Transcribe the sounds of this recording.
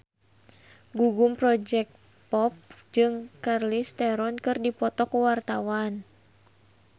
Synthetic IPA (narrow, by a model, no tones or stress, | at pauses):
ɡuɡumpɾɔd͡ʒɛk̚t̪ | pɔp̚d͡ʒɨŋkarlist̪ɛɾɔnkɨrdipɔt̪ɔkuwart̪awan